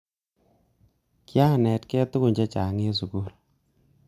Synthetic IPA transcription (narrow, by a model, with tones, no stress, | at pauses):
kja˦˨nɛ˨tkɛ˦tu˦ku˨ɲd͡ʒɛ˦t͡ʃa˨ŋe˦s̬u˨ku˦l